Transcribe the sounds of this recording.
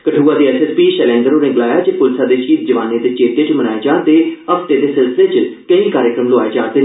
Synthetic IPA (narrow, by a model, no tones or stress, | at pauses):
kəʈʰuːaːd̪iːɛːsɛspiːʃɛlɛ̃ːŋɡ̪əɾoːɾɪɡlaːjaːt͡ʃepʊlsaːd̪eːʃiːt̪̚d͡ʒəʋaːnẽd̪eːt͡ʃeːʈ̪et͡ʃmənaːeːd͡ʒaːd̪eːəpʰt̪eːd̪eːsɪlsɪleːt͡ʃkəĩːkaːɾjəkɾəmlʊaːed͡ʒaːd̪eː